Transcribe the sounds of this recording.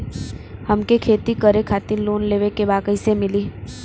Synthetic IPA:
hɐmkekʰeːt̪ikəɾekʰaːt̪ɪnloːnleːʋekebaːkəisemɪliː

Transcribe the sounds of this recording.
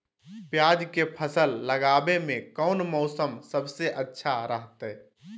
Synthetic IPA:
pjad͡ʒkepʰəsəlːəɡabemẽkəʊnmɔʊsəmsəbseʔətːʃʰaɾəɦt̪ɛ

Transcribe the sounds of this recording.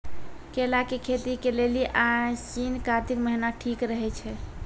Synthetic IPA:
kelakekʰet̪ikeleliʔat͡ʃinkat̪ikməɦinaʈʰikɾəɦɛt͡ʃʰɛ

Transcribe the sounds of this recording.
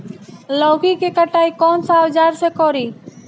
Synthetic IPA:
loːɡiːkeːkəʈaːiːkoːnsãːʋd͡ʒaːɾseːkoːɾiː

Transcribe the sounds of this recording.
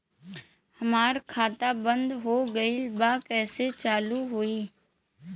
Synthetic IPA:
hɐmaːɾkʰaːt̪abə̃nd̪ɦoɡəilbaːkɛːset͡ʃaːluɦoːiː

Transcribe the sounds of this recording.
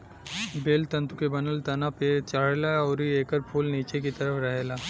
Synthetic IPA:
beːlt̪ɐ̃nt̪ukebɐnəlt̪ɐnapet͡ʃaːɽlaɔːɾieːkəɾpʰuːlniːt͡ʃekit̪ɐɾəfɾɐɦeːlaː

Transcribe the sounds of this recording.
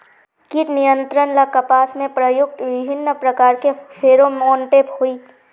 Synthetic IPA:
kiʈnijə̃nt̪ɾənlakəpaːsmẽpɾəjʊk̚t̪ʋɪbʱɪnːəpɾɐkaːɾkepʰeːɾomoːɳʈephuiː

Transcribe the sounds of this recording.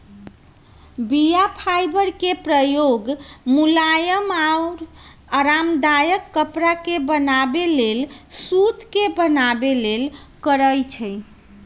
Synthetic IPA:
bijapʰajbəɾkepɾəjoɡmulajəmauɾ | əɾamd̪ajəkːəpɾakebənabelelsut̪kebənabelelkəɾəjt͡ʃʰə

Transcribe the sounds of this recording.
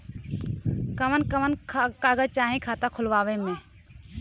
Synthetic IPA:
kəmənkəmənʰkaːɡət͡ʃaːɦĩkʰaːt̪akʰʊlʋaːwemẽː

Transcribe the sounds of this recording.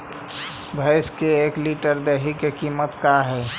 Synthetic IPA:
bʱəɪskeekliʈəɾd̪eɦikekimət̪kaɦɛː

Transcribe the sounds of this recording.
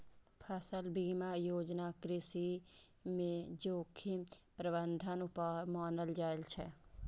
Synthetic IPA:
pʰɐsəlbiːmajoːd͡ʒnakɾɪsi | mẽd͡ʒoːkʰipɾəbə̃nd̪ʱənʊpamaːnəld͡ʒaːɪlt͡ʃʰɛ

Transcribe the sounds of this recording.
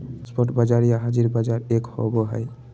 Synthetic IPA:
spɔʈbad͡ʒaɾijaɦad͡ʒiɾbad͡ʒaɾekho̰bɔɦɔj

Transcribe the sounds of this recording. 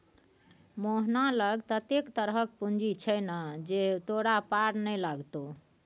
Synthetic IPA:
moɦnaləɡt̪ət̪ekt̪əɾɦək̚pund͡ʒit͡ʃʰəjnəd͡ʒet̪oɽapaɾnəjlaɡt̪o

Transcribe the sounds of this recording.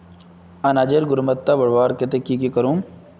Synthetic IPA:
ɐnad͡ʒeɾɡʊɾmɐt̪ːabɐɽʋaːɾket̪ekikikɐɾuːm

